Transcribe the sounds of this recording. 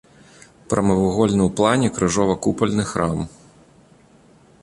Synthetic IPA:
pɾɐmɨvuɣɔlʲnɨwplˠanʲɛkɾɨʐɔvɐkupɐlʲnɨxɾam

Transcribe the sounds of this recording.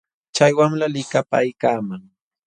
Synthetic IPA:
t͡ʃajwaŋlalɪkapaːjkaːmaŋ

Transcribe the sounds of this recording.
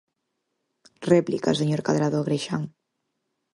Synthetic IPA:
rɛplika̰seɲoɾkaðɾaðoɣɾejʃaŋ

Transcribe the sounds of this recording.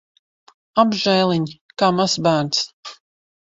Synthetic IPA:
abʒɛːlˠiɲʲ | kaːmasbæːɾt̪s

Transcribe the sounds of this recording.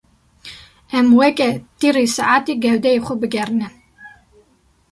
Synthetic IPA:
ɛmwɛkʼɛd̪̥iɾisaʔat̪ʼiɡɛwd̪ɛiχubɡɛɾnɛ

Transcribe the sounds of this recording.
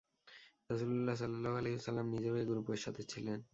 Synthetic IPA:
ɾʌsululːas̬ʌlːalːaɦoaleɦosɐlːamnid͡ʑebaɡɾupeɾʃat̪ʰet͡ɕʰilen

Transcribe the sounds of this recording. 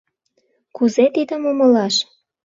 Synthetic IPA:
kuzet̪id̪əmomə̆lɑʃ

